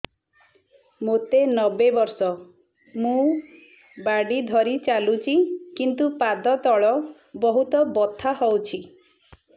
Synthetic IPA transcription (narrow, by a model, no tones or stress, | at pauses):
mot̪enɔbebɔɾsɔ | mũ | baɖid̪ʱɔɾit͡ʃalut͡ʃʰikint̪upad̪ʱɔt̪ɔɭɔ | bɔɦut̪ɔbɔt̪ʰaɦɔwt͡ʃʰi